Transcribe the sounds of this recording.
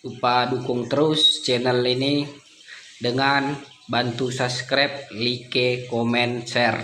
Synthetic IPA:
upadukʊŋt̪əɾust͡ʃɛnəlini | dəŋan | bant̪usaskɾɛp̚likekɔmɛnsɛr

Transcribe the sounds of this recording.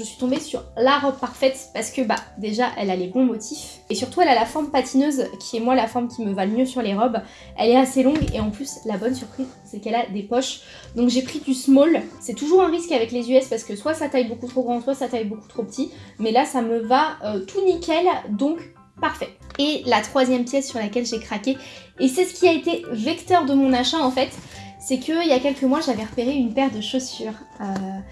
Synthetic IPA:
ʒəsɥi̥t̪ɔ̃besyʁlaʁɔb̚paʁfɛt̪paʁsə̥kəbad̪eʒaʔɛlalebɔ̃mɔt̪ʰif | esyʁt̪uɛlalafɔʁmpat̪inøzkʲʰiɛmwalafɔʁmkʲiməvalmjøsyʁleʁɔb | ɛlɛaselɔ̃ɡḛɑ̃plyslabɔnsyʁpχiz | sɛkɛlad̪epɔʃ | d̪ɔ̃kʒepχid̪ysmɔlsɛt̪uʒuʁɛ̃ʁiskavɛklezyɛspaʁsə̥kəswasat̪ajbokut̪χoɡʁɑ̃swasat̪ajboku̥t̪χopət̪ʰimɛlasaməvaøt̪ʰunikʲɛld̪ɔ̃k | paʁfɛelat̪χwazjɛmpjɛsːyʁlakʲɛlʒekχakʲeː | sɛsə̥kʲiaet̪evɛkt̪œʁd̪əmɔ̃naʃaɑ̃fɛt̪sɛkʰəijakʲɛlkəmwaʒavɛʁəpeʁeynpɛʁd̪əʃosyʁ | ø

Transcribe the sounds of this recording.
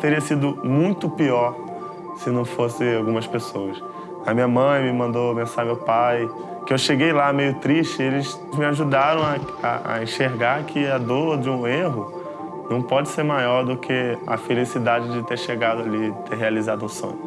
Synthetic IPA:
t̪eɾiɐsid̪ʊmũj̃t̪ʊpiɔɾ | sɪnɐ̃w̃fosɪawɡũmɐspesowɐs | amĩɲɐmɐ̃j̃mɪmɐ̃nd̪obẽsaɾmewpaj | kɪewʃeɡejlamejʊt̪ɾiʃt͡ʃɪelɪs | mɪaʒud̪aɾɐ̃w̃a | a̰a̰ẽʃeɾɡaɾkʰɪad̪oɾd͡ʒɪũeɦʊ | nɐ̃w̃pɔd͡ʒɪseɾmajɔɾd̪ʊkʰɪa̰felisid̪ad͡ʒɪd͡ʒɪt̪eɾʃeɡad̪ʊaliɪt̪eɾɦealizad̪ʊũsõ̰ɲʊ

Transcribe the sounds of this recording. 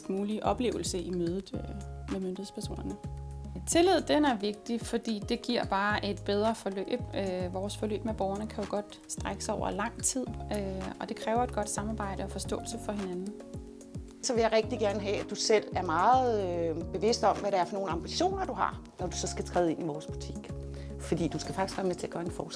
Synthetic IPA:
ɡ̥muːliʔɒ̽b̥le̝̰ːʊl̩səʔimøːð̞ˠð̩ˠmemønd̥hð̩ˠspʰæɐso̰ːnɐnət͡sʰe̝lið̞̰ˠd̥enæɐʋe̝ɡ̥̚d̥ifɒ̽d̥ḭːd̥e̝ɡ̥iɐ̰b̥ɑ̈ːʔe̝d̥b̥eð̞ˠʁɐfɒ̽lø̰ːb̥ʋɒːsfɒ̽lø̰ːb̥meb̥ɒʊɐnəkʰæjo̝ɡ̥ɒ̽d̥ | sd̥ʁaɡ̥əsɑɒʊ̰ɐlɑ̈ŋ̰t͡sʰið̰ˠøɒ̽d̥e̝kʰʁɛːʊɐe̝d̥ɡ̥ɒ̽d̥sɑ̈mɑ̈ːb̥ɑ̈ɪ̰ɾ̥əɒ̽fɒ̽sd̥ɔ̰̽ːlsəfɒ̽ɦe̝nænn̩ | sɒ̽ʋe̝jäɪʁɛɡ̥̚d̥iɡ̥æɐnəɦɛæd̥usel̰æɐmɑ̈ːð̩ˠb̥e̝ʋe̝sd̥ɒ̽mʋæɾeæɐfɒno̝ːn̩ɑ̈mb̥iɕo̝̰ːnɐd̥uhɑ̈ | nɒd̥usɒ̽sɡ̥æt͡sʰʁɛːð̩ˠe̝niʋɒːsb̥ut͡sʰiɡ̥ | fɒd̥ḭːd̥usɡ̥æfɑ̈ɡ̥isɡ̥ɶːɐmet͡sʰe̝æɐɡ̥ɶɐe̝nfɒːs

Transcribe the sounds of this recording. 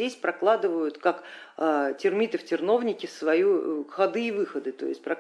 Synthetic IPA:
esʲpɾɐklˠad̪ɨvəjʊt̪kakː | tʲɪrmʲit̪əftʲɪrno̞vnʲɪkʲɪsvɐjuxɐd̪ɨːvɨxəd̪ɨt̪o̞̰ɪsʲt̚ʲpɾɐ

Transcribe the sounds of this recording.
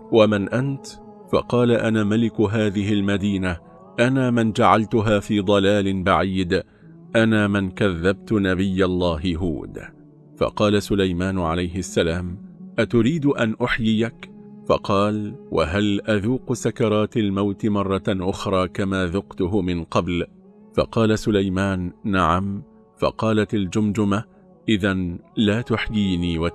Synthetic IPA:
wamanʔant̪ | fɑ̰qɑːlaʔanaːmalɪkɦaːðɪɦɪlmad̪iːna | ʔanaːmɪnd͡ʒaʕalt̪ʊɦaːfiːd̪ˤɑlaːlɪnbaʕiːd̪ | ʔanaːmɪnkaðːab̚t̪ʊnabɪjːalˤːɑːɦɪɦṵːd̪ | fɑ̰qɑːlasʊlajmaːnʕalajɦɪʔasːalaːmʔat̪ʊɾiːd̪ʔanʔʊħjɪjakfɑqɑːlwa̰ɦalʔaðuːqsakɑɾˤɑːt̪almawt̪ɪmɑrˤːɑʔʊxɾˤɑːkamaːðʊqt̪ʊɦʊmɪnqɑbl | fɑ̰qɑːlasʊlajmaːnːaʕam | fɑ̰qɑːlat̪ald͡ʒʊmd͡ʒʊma | ʔɪðanlaːt̪ʊħjiːniːwa

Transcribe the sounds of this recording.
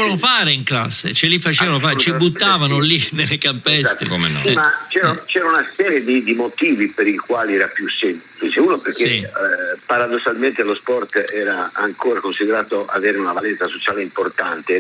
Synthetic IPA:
anofaːɾeiŋkla̰sːḛt͡ʃelifat͡ʃɛːvanofat͡ʃibut̪ːaːvanolinelːekampɛsḛkomḛn̰mat͡ʃɛːɾat͡ʃɛːɾaunasɛːɾjed̪id̪imot̪iːvipeɾikwaːliɛːɾapjusemplit͡ʃlit͡ʃeuːnoperk̟esipaɾad̪osːalment̪elospɔrt̪ɛːɾaaŋkoːɾakonsid̪eɾaːt̪oʔa̰veːɾeunavalɛnsasot͡ʃaːleimport̪ant̪e

